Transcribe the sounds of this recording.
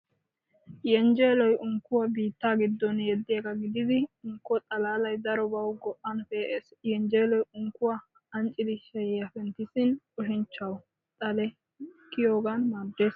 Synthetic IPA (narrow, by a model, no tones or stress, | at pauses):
jɛnd͡ʒeːlɔjʔʊŋkːʊwabiːt̪ːaːɡɪd̪ːɔnjɛd̪ːɪjɐɡɐɡɪd̪ɪd̪ɪʊŋkːɔt̪ʼɐlaːlɐjd̪ɐɾɔbɐwɡɔʔːɐnfeːʔeːsjɛnd͡ʒeːlɔjʊŋkːʊwa | ɐnt͡ʃʼːɪd̪ɪʃɐjɛjɐfɛnt̪ɪsɪnʼ | ɔʃɪnt͡ʃːɐw | t̪ʼɐlɛ | kːɪjoːɡanmaɾd̪eːs